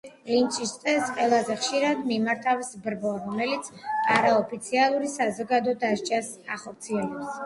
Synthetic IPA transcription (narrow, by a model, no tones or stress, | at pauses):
lint͡ʃʼist̪sʼɛsqʼwɛlˠazɛχʃiɾad̪mimaɾt̪ʰafsbɾbɔɾɔmɛlit̪sʰaɾaɔpʰit̪sʰialˠuɾisazɔɡad̪ɔd̪aʃt͡ʃʼas | aχɔɾt̪sʰiɛlɛps